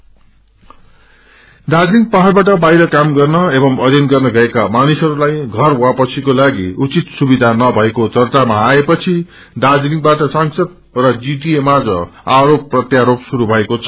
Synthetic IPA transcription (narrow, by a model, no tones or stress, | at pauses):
d̪ad͡zɾiŋɡ̚pʌɦarbaʈ̬ʌbajɾʌkamɡʌrnʌebʌmʌɾjʌnɡʌrnʌɡʌekamanisɦʌɾulajɡʱʌrwapʌt͡sʰikolaɡiut͡sit̪subid̪ʱanʌbʱʌekot͡sʌrt̪amaːepʌt͡sʰi | d̪ad͡zɾiŋɡ̚baʈʌsaŋsʌd̪̚ | rʌd͡ziʈiemad͡zʌ̰aɾopːrʌt̪jaɾopsuɾubʱʌekot͡sʰʌ